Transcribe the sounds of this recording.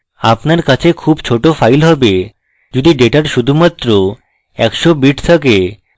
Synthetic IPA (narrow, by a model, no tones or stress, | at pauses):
apnaɾkat͡ɕʰekʰuːbt͡ɕʰoʈofʰajlɦɔbe | d͡ʑod̪iɖeʈaɾʃud̪ʱumat̪ːɾo | ɛkʃobiʈʰt̪ʰəke